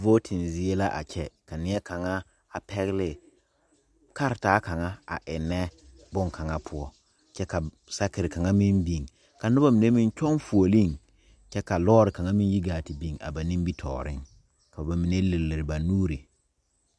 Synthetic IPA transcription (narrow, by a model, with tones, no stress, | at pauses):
vo˦tʰɪ˨nzɪ˦e˦la˦ʔa̰˨t͡ʃʰɛ˦ka˨nɪ˦ɛ˦ka˨ŋa˦ | a˨pʰɛ˦ɣɪ˦lɪ˨ | ka˦ɾɪ˨taː˦ka˨ŋa˦a̰˨ʔɪ˨nːɛ˦ | bʊ˦ŋka˨ŋa˦pʰʊ˦ɔ˦ | t͡ʃɛ˦ka˨ | sa˦kɪ˨ɾɪ˨ka˨ŋa˦mi˦nbi˨ŋ | ka˨nʊ˦ba˦mi˨ne˦mĩ˦n˦t͡ʃɔ˦ŋfu˨o˨li˦ŋ | t͡ʃɛ˦ka˨lɔː˦ɾɪ˨ka˨ŋa˦mi˦n˦ji˦ɡaː˨tɪ˨bi˨ŋa̰˨ba˨nĩ˦m˦bi˦tʰɔ̰ː˨ɾɪ̰˦ŋ | ka˨ba˨mi˨ne˦le˨lːɪ˨ɾɪ˨ba˨nuː˦ɾi˨